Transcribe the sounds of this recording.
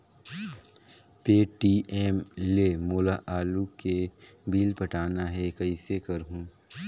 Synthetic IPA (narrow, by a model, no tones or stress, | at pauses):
peːʈiːʔeːmlemoːlaʔaːlukebiːlpɐʈaːnaɦɛkɐisekɐɾɦũː